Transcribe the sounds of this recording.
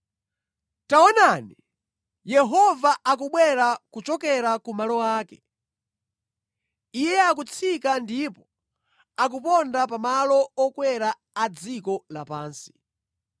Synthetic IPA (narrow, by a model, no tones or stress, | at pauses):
taɔnani | jɛɦɔvaʔak̬uɓwɛɾakut͡ʃɔkɛɾakumalɔwaːkɛ̥ | ijɛakut͡sʰikandipɔ | akupɔndapamalɔɔkwɛɾa | ad͡zikɔla̰paːnsi̥